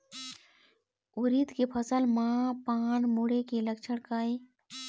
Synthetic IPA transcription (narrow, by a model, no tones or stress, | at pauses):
uɾit̪kepʰəsəlmãpaːnmuɽekeləkt͡ʃʰəɽkae